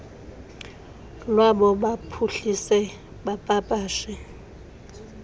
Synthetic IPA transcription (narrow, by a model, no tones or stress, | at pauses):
lwaɓɔɓapʰuɬisɛ | ɓapʼapʼaːʃɛ